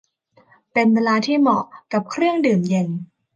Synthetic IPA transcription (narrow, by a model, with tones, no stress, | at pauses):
pe˧nwe˧laː˧t̪ʰiː˥˩mɔ˨˩ka˨˩p̚kʰɾɯ˥˩əŋdɯː˨˩mje˧n